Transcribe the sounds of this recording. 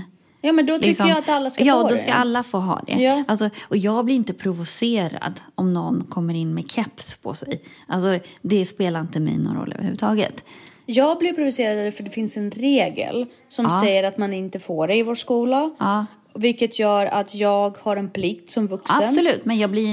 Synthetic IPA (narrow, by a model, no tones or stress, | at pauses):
jɑːmɛnd̪ɔtlɪʏksɔəjaat̪alːaskajɑːɔd̪ɔskaɾalːafoːɦɑ̰ːd̪ɛ̰jʔalsɔɔjɑːɡblɪɾɪnt̪əpʰɾʊvʊseːɾa̰d̪ɔmnɔnːkʰɔmːəɾɪnːmɛkʰɛpspʰɔ̰sɛjʔalsɔd̪ɛspeːlaɾɪnt̪əmɛ̰jnɔ̰nɾɔ̰lːœ̰vəɾhʉ̟ːət̪ʰɑːɡə̰t̪jɑːɡ̚blɪpʰɾʊvʊseːɾad̪ad̪fœɖɛfɪnsɛnɾeːɡə̰l | sɔmssɛjːəɾat̪manɪnt̪əfoːɖɛɪvoːʂkuːlaɑː | vɪlkət̪ʰjœːɾa̰t̪ʰjɑːɡhaɾɛnpʰlɪkt̪sɔmvɵksaəbnsɔlʉ̟ːt̪mɛnjɑːɡblɪ